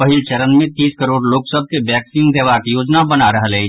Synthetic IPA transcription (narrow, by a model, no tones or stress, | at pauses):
pɐɦɪlt͡ʃɐɾənmẽt̪iːskəɾoːɽloːksəb̚ʱkebɛːksiːnd̪eːʋakijoːd͡ʒnabɐnaɾɐɦlɛi